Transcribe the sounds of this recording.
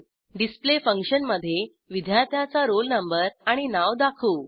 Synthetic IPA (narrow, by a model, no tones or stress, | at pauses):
ɖisplefəŋkʂənməd̪ʱːje | ʋid̪ʱjat̪jat͡saɾolnəmbəɾaɽ̃inaʋd̪akʰuː